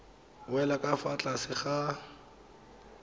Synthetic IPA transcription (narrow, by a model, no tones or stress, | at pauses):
wɛlakʼafat͡ɬʼasɪχa